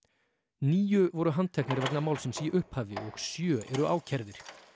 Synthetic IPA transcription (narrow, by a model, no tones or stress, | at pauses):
niːjʏvɔɾʏɦant̪ʰɛknɪɾvɛknamaːwlsɛmsiʔʏhphaːvɪɔɣsjœːʔɛɾʏʔaːwcʰɛɾðɪɾ̥